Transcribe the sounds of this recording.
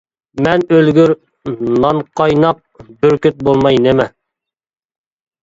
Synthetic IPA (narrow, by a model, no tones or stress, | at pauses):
mɛnølɡʲyɾ | nɑnqʰɑjnɑp̚byɾkʲyt̪̚bolˠmɑjnɪmɛ